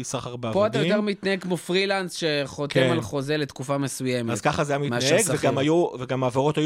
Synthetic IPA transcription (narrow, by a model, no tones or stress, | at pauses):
isaχaʁbapoat̪̬ajot̪eʁmit̪naheɡ̚kmofʁilansʃeχotkemalχo̞zelet̪kufamesujemeazz̥kaχazajamit̪maneɡveɡamajuveɡamaːveʁot̪aj